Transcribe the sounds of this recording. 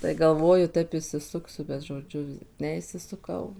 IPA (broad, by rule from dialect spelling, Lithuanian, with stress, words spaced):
tɐɪ ɡɐlˠˈʋoːjʊ ˈtɐɪp ɪʃʲsʲɪˈsʊksʲʊ bʲɛt ʒoːˈd͡ʒʲʊ ˌnʲɛɪʃʲsʲɪsʊˈkɐʊ